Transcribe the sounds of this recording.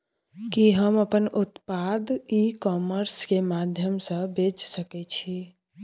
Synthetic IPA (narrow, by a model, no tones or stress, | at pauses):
kiɦəməpənut̪pad̪ikɔməɾskemad̪ʱjəmsə̃bed͡ʒsəkɛt͡ʃʰi